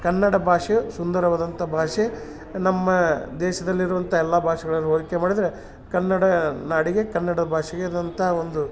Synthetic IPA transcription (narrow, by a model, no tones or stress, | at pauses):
kɐnːɐɽɐbʱaːʂesund̪ɐɾɐʋaːd̪ɐnt̪ʰɐbʱaːʂe | nɐmːɐd̪ɛːʃɐd̪ɐlːiɾuʋɐnt̪ʰɐɛlːaːbʱaːʂɐɡɐɭɐnːuɦoːlikemaːɽid̪ɐɾe | kɐnːɐɽɐnaːɽiɡe̞kɐnːɐɽɐd̪ɐbʱaːʂɛɡeid̪ɐnt̪ʰɐɦɐo̞nd̪u